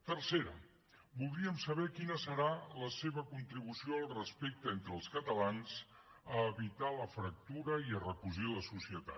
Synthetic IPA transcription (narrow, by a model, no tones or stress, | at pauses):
t̪ərseɾə̰ | bulˠd̪ɾiəmsəβɛkinəsəɾaləseβəkunt̪ɾiβusioəlˠrəspek̚t̪əent̪ɾəːlˠskət̪əlanz | əːβit̪aləfɾək̚t̪uɾəiərəkuʒiləsusiət̪a̰